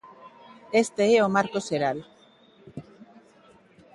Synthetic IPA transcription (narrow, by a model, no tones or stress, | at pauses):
est̪eeomaɾkoseɾal